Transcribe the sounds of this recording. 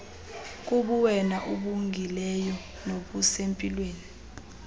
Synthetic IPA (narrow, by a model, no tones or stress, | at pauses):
k̬ʼuɓuwɛnaʔuɓuŋʱilɛjɔ | noɓusempʼilweːni